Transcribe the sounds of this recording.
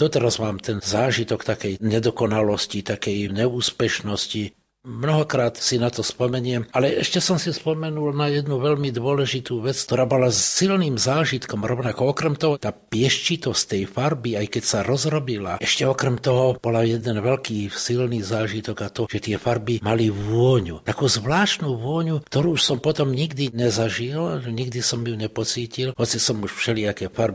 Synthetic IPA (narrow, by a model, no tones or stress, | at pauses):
d̪̥ɔt̪ɛɾazmaːmt̪ɛnzaːʒit̪ɔkt̪akɛjɲɛd̪ɔkɔnalɔscit̪akɛjɲɛuːspɛʃnɔsci | mnɔɦɔkɾaːt̪sinat̪ɔspɔmɛɲɪɛmalɛʔɛʃcɛsɔmsispɔmɛnulnajɛd̪nuʋɛʎmid̪ʊɔlɛʒit̪uːʋɛt͡sk̚t̪ɔɾaːbɔlasilniːmzaːʒit̪kɔmɾɔʋnakɔɔkɾɛmt̪ɔɦɔt̪aːpɪɛʃt͡ʃit̪ɔsct̪ɛjfaɾbiajkɛcsaɾɔzɾɔbilaʔɛʃcɛɔkɾɛmt̪ɔɦɔb̥ɔlajɛd̪ɛnʋɛlkiːsilniːzaːʒit̪ɔɡat̪ɔʒ̥ɛt̪ɪɛfaɾbimaliʋʊɔɲṵt̪akuːzʋlaːʃt̪nuʋʊɔɲukt̪ɔɾuːʃsɔmpɔt̪ɔmɲiɡd̪iɲɛzaʒilɲiɡd̪isɔmjuɲɛpɔt͡siːcilɦɔt͡sisɔmuʃfʃɛliakɛːfaɾbi